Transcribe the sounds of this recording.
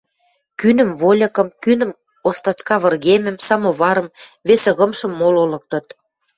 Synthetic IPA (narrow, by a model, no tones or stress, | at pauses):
kynə̆mvolʲɤ̆kə̆mkynə̆m | ost̪ɑt̪kɑβə̆rɣemɘ̆msɑmoβɑɾɤ̆mβesə̆ɣə̆mʃɤ̆mːololɤ̆k̚t̪ɤ̆t̪